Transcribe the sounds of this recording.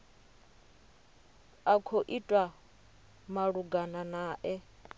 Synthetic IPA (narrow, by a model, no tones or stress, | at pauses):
akʰoʔitʼwa | maɺuɡananaːʔɛ